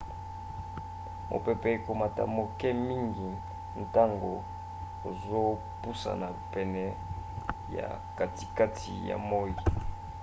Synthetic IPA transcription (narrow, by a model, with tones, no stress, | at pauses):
mo̰˨pɛ˨pɛ˨ko˨ma˨ta˨mo˨kɛ˦mi˦ŋɡi˨ | n̩˨ta˦ŋɡo˨ | o˨zo˦ | pu˦sa̰˨na˨pɛ˨nɛ˨ | ja̰˨ | ka˨ti̥˨ka˦tʰḭ˨ja̰˨mo˦ji˨